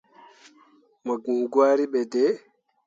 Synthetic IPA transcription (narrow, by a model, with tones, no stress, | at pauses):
ma˨ɡu˨ɡwaː˦ɾi˦ɓɛdɛ˦